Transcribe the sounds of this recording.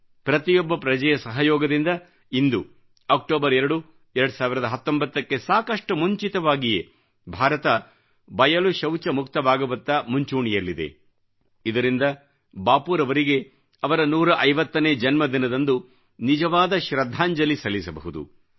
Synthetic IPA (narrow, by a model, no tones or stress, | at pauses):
pɾɐt̪ijɔbːɐpɾɐd͡ʒɐjɐsɐɦɐjɔːɡɐd̪ind̪ɐ | ind̪u | ɐk̚ʈoːbɐɾɛɾɐɽu | ɛɾɐɽu̥saːʋiɾɐd̪ɐɦɐt̪ːombɐt̪ːɐkːe̞saːkɐʂʈɐmuɲt͡ʃit̪ɐʋaːɡije | bʱaːɾɐt̪ɐ | bɐjɐluʃɐwt͡ʃɐmukt̪ɐbaːɡɐʋɐt̪ːɐmuɲt͡ʃuːɳijɐlːid̪ḛ | id̪ɐɾind̪ɐ | baːpuːɾɐʋɐɾiɡe̞ | ɐʋɐɾɐnuːɾɐʔɐjʋɐt̪ːɐneːd͡ʒɐnmɐd̪inɐd̪ɐnd̪u | nid͡ʒɐʋaːd̪ɐʃɾɐd̪ʱːaːɲd͡ʒɐlisɐlːisɐbɐ̰ɦud̪ṵ